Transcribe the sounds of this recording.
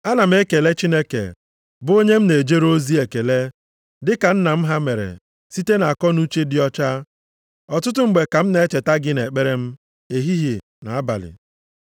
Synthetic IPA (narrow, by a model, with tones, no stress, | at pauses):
a˦na˨m̩˦e˦ke˨le˦t͡ʃi˦ne˦kḛ˨ | bʊ˨˦o˦ɲe˦m̩˦ne˨d͡ʒe˦ɾo˦zi˦e˨ke˨le˦ | dɪ˦ka˨n̩˦na˨m̩˦ɦa˦me˨ɾḛ˨ | si˦te˦na˨a˨kɔ˦nu˦t͡ʃe˦dɪ˦ɔ˦t͡ʃa˦ | ɔ˨tʊ˦t̬ʊ˦ŋ͡m̩˨ɡ͡be˨ka˨m̩˦ne˨˦t͡ʃe˨ta˦ɡɪ˦ne˨k͡pe˦ɾe˦m̩˦ | e˨ɦi˦ɦi˨ | na̰˨a˦ba̰˨lɪ̰˨